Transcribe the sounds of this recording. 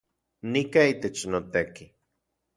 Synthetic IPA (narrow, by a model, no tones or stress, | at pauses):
nikaiːt̪et͡ʃnot̪eki